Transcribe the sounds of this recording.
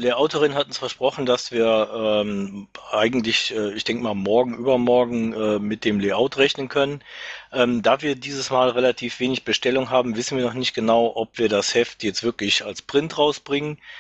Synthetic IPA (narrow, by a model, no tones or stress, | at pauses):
leːʔaʊtəʁɪnɦatʊnsfɛɐʃpʁ̥ɔχn̩d̥asv̥iːɐʔɛːmʔaɪɡŋ̩tlɪçʔɛːɪçd̥ɛŋkəmaːlmɔɐɡŋ̩ʔyːbɐmɔɐɡŋ̩ʔɛːmɪt̚d̥eːmleɪʔaʊtʁɛçnənkʰœnənʔɛːmdaːviːɐdiːzəsmaːlʁelatʰiːfv̥eːnɪçb̥əʃtɛlʊŋɦaːbm̩vɪsn̩viːɐnɔχnɪçt̚ɡ̥ənaʊʔɔpv̥iːɐdashɛftʰjɛt͡stvɪɐklɪçalspʁ̥ɪntʁaʊsb̥ʁɪŋən